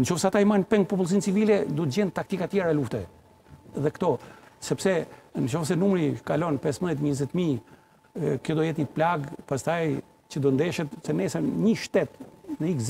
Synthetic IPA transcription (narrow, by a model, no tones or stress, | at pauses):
nt͡ʃɔfsɛat̪aimanpɛŋɡ̚pɔp̬ulˠsint͡sivilɛd̪ut̪̚d͡ʑɛnt̪ak̚t̪ikat̪jɛɾaluft̪ɛ | ðɛkt̪ɔsɛpsɛnət͡ʃɔfsɛnumɾikalɔnpɛsmðjɛt̪ɲəzɛt̪mi | kjɔd̪ɔjɛt̪ɲəplaɡpast̪aj | t͡ɕəd̪ɔnd̪ɛʃɛt̪sɛnɛsənɲəʃt̪ɛt̪nəiɡz